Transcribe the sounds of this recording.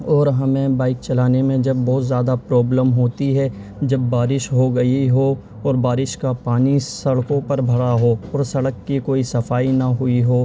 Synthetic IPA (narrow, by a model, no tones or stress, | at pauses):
ɔːɾɦɐmẽbaːɪk̚t͡ʃɐlaːnemẽd͡ʒɐbːɔːt̪zjaːd̪apɾɔːbləmɦoːt̪iɦɛd͡ʒɐbːaːɾɪʃɦoɡɐiɦo | ɔːɾbaːɾɪʃkapaːnisɐɽkõpɐɾbʱɐɽaɦoɔːɾsɐɽəkːikoːisɐfaːinɐɦʊiɦoː